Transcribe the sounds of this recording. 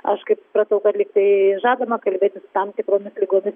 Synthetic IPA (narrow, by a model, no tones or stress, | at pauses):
ɐ̰ʃkɐɪppɾɐt̪oʊkɐt̪lʲɪkt̪ɐɪʒɑːd̪ɐmɐkɐlʲbʲeːt̪ʲɪst̪ɐmt̪ʲɪkɾoːnʲɪsʲlʲɪɡonʲɪ